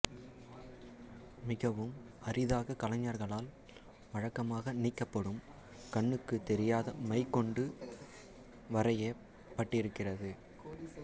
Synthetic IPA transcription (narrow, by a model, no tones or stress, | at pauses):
mɪɣɐʋɯm | ɐɾɪðaːɣɐkɐlɐɲːaɾɣɐɭaːl | ʋɐɻɐkːɐmaːɣɐnɪkːɐpːɐɽɯm | kɐɳːɯkːɯt̪ɛɾɪjaːðɐmɐɪkːɔɳɖɯ | ʋɐɾɐjɐ | pːɐʈːɪɾɯkːɪrɐðɯ